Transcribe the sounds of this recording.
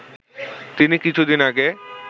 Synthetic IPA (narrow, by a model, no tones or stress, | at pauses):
t̪inikit͡ɕʰud̪inaɡe